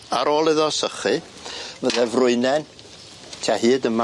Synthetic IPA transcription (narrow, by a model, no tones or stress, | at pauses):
aɾoːlˠɪðɔsəχɨ | vəðɛvrʊɨnɛn | tʰiahɨːdəma